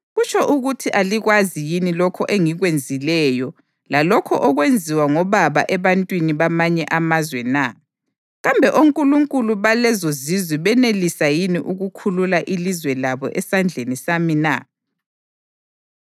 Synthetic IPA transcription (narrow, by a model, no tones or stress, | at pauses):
ɣut͡ʃʰɔʔuɣutʰiʔaliɣwazijinilɔkʰɔʔeŋiɣwend͡zʱilɛːjɔ | lalɔkʰɔʔɔɣwend͡zʱiwaŋɔβaβa̰ʔɛβantʼwiniβamaɲɛʔamazwɛna | ɣambʱɛʔoŋkʼuluŋkʼuluβalɛzozizwiβɛnelisajiniʔuɣukʰululaʔilizwɛlaβɔ̰ʔɛsand͡ɮʱenisamina̰